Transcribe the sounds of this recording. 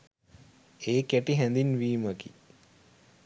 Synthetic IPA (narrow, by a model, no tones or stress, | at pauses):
eːkeʈiɦænd̪inʋiːməkḭ